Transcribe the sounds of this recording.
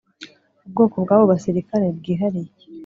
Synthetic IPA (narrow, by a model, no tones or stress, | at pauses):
ubɡo̞ːko̞bɡaːβo̞βasiɾikaɾebɡiːɦaɾij